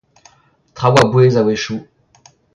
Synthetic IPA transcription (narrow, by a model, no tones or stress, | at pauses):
t̪χawabwezaweʃu